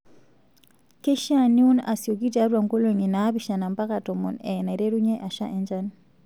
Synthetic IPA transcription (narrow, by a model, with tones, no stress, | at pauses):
ke˦ʃa˦˨ni˦u˦na̰˨si˨o˨k̬i˦ta˨˦ɾwa˨ŋko˦lo˨ŋi˨naː˨˦bi˦ʃa˨na˨mpa˦ka˨tɔ˨mɔ˨nɛ˨na˨ɾe˦ɾu˦ɲɛ˦ʔa˨ʃa̰˦ʔɛ˦ɲd͡ʒa˦n